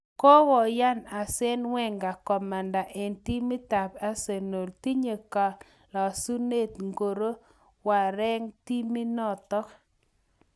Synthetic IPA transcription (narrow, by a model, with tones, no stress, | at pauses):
kɔ˦wɔ˨ja˦na˨sɛ˦nwɛ˦ŋɡa˨kɔ˨ma˨nda˨ʔɛ˨nti˦mɪ˦ta˨pa˦se˨no˨lti˦ɲe˨ka˨ | la˨su˦ne˦˨t̪ŋɡo˨ɾo˦ | wa˨ɾɛ˦ŋti˦mi˦nɔ˦˨t̪ɔ˦k